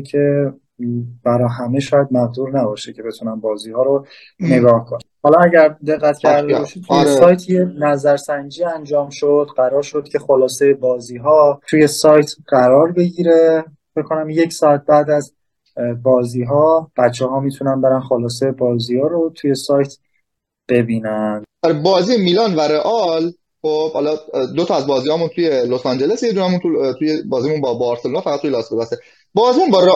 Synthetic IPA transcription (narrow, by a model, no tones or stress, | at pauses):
cʰe̞ | b̥æɾɒːɦæmeʃɒːjæd̪̚mæɣd̪uɾnæbɒːʃecʰe̞be̞t̪ʰunænbɒːziːhɒːɾo | ne̞ɡɒːhkʰonæhɒːlɒæɟæɾd̪e̞ɣːæt̪cʰæɾd̪ebɒːʃit̪ʰujesɒːjt̪ʰjenæzæɾsæɲd͡ʒiːænd͡ʒɒːmʃod̪ɢæɾɒːɾʃod̪̚cʲʰe̞xolɒːse̞jebɒːziːɦɒːt̪ʰuje̞sɒːjt̪ʰɢæɾɒːɾbe̞ɟiːɾe | fecʰkʰːonæmje̞cʰsɒːæt̪̚bæːd̪æz | bɒːziːɦɒːb̥ætt͡ʃʰːɛhɒːmiːt̪ʰunænbe̞ɾænxolɒːsejebɒːziːhɒːɾot̪ʰuje̞sɒːjt̪ʰ | b̥e̞biːnænæɾebɒːziːjemiːlɒːnvæɾeʔɒl | xob̥hɒlɒd̪ot̪ʰɒæzbɒːzihɒːmunt̪ʰujelosɑnd͡ʒelesjed̪unæmunt̪ut̪ʰujebɒːzimunbɒbɒɾselonɑːfææt̪t̪ʰːujelɒːsbob̪æse | bɒːziːmunbɒːɾe